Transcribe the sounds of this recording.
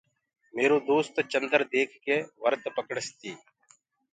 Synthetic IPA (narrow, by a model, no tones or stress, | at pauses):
meːɾoːd̪oːst̪t͡ʃənd̪əɾd̪eːkʰkeːʋəɾt̪pəkəɽəst̪iː